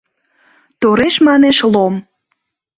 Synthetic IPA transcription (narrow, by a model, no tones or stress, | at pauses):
t̪oɾeʃmɑneʃlom